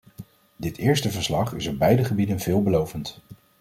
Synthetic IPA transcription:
dɪtɪːɹstəvəɹslɑχɪ̰sɔb̚bɛjdəχəbidənvɪːlˠbəlowvənt

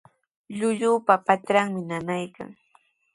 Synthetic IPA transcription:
ʎʊʎʊːpapat̪ɾaŋmɪnanajka̰ŋ

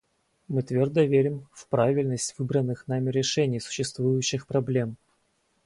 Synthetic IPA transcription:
mɨt̪vʲo̞rd̪əvʲeɾʲɪmfpɾavʲɪlʲnəsʲtʲvɨbɾənːɨxnamʲɪɾʲɪʂɛnʲɪjsʊ̥ɕːɪst̪vujʊɕːɪxpɾɐblʲe̞m

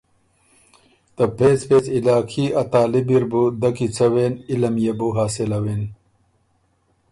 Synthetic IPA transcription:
t̪ɐpʰeːt͡speːt͡silaːkʰiɐt̪aːlibiɾbud̪ɐkit͡sʰɐweːnilɐmjebuɦaːsilɐwen

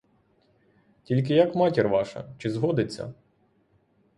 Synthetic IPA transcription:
tʲilʲk̬ɪjɐkmɑtʲirʋɑʃɐ̰t͡ʃɪzɦɔd̪ɪt͡sʲːɐ̰

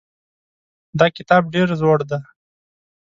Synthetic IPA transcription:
d̪ɑkɪt̪ɑb̚ɖeɾzoɽd̪a

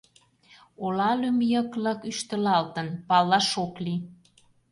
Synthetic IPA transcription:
olɑlymjəklɤkyʃt̪ə̆lɑlt̪ənpɑlːɑʃokli

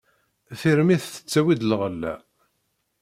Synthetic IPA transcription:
θiɾmiθθə̥t͡sːæwid̪lʁəlːæ̰

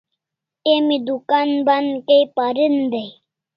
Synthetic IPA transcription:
emid̪ukanbankejpaɾind̪ej

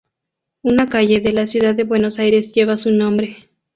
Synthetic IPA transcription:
unakaʝe̞ðelasjuðaðːeβwe̞nosajɾe̞sʝe̞βasunõmbɾe̞

